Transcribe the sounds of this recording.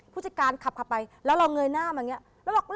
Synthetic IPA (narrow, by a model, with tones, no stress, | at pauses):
p̚ʰːt͡ɕa˨˩kaː˧nkʰa˨˩p̚kʰa˨˩pːa˧jlɛː˦˥wɾa˧wŋɤː˧jnaː˥˩maː˧˩ŋi˦˥ɐ | ɾa˧waː˨˩ŋɾ